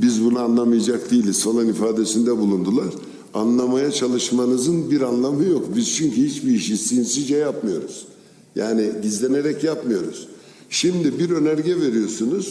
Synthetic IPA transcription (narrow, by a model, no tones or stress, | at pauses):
bizbunaːnlˠamɯjad͡ʒak̚d̪ijlʲisolˠanifaːd̪esind̪ɛbulˠund̪ulˠaɾ̥ | anlˠamajat͡ʃʰalˠɯʃmanɯzɯnbiɾanlˠamɯjo̞kbiz̥t͡ʃʰyɲcihit͡ʃbiiʃisijinsid͡ʒɛjapmɯjo̞ɾuz̥ | jaːnid̪izlʲeneɾɛcjapmɯjo̞ɾṵz̥ | ʃimd̪ibiɾø̞næɾɟɛve̞ɾijo̞ɾsunuz̥